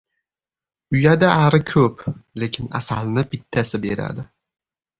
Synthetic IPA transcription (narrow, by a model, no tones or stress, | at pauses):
ʊjad̪aʔaɾɪkʲʰɵplekʲʰɪna̰salnɪpɪt̪ʰːasɪbe̞ɾa̰d̪ɪ